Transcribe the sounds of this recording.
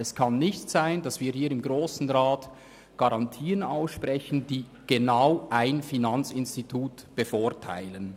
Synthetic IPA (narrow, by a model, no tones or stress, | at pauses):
ɛskʰɑnːɪçtz̥aɪnd̥ɑsviːhiːɾɪmɡʁoːsn̩ʁaːt | ɡ̥aʁɑntʰiːənaʊsʃpʁɛçn̩d̥iː | ɡ̥enaʊʔaɪnfinɑnt͡sɪnstitʰuːtb̥əfʊːtʰa̰ɪlən